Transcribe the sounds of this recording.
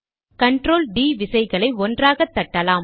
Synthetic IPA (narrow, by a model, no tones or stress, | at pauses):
kɐɳʈɾoːlɖiːʋɪsɐɪɣɐɭɐɪɔndraːɣɐt̪ːɐʈːɐlaːm